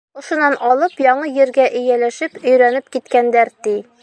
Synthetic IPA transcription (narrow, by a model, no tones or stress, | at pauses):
ŏʃŏnɑnɒlˠɤpjɒɴɤjɘ̆ɾɡæʔɵ̆jælæʃɘpɵ̆jɾænɘp̚kit̪kænd̪æɾt̪i